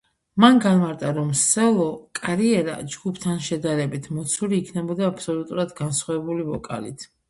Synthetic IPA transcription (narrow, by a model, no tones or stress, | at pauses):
manɡanmaɾt̪ʼaɾɔmsɛlˠɔkʼaɾiɛɾa̰d͡ʒɡupʰt̪ʰanʃɛd̪aɾɛbit̪ʰmɔt̪sʰuliːkʰnɛbɔd̪aːpʰsɔlut̪ʼuɾad̪ɡansχwavɛbulivɔkʼa̰lḭt̪ʰ